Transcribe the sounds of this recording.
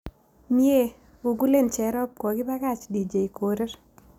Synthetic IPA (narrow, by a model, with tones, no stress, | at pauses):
mje˦ | ɡo˨ɡu˦le˦˨nt͡ʃɛ˨ɾɔ˦p̚kɔ˨ɡɪ˦ba˦ka˦t͡ʃdi˨d͡ʒe˨i˨ko˨ɾe˦ɾ